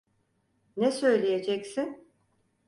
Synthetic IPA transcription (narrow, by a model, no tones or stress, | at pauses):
nɛsø̞jlʲejed͡ʒɛcsɪn